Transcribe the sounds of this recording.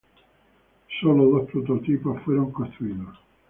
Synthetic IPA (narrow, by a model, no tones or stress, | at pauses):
soːlolospɾot̪ot̪iːpofwɛɾoŋkot̪uiːno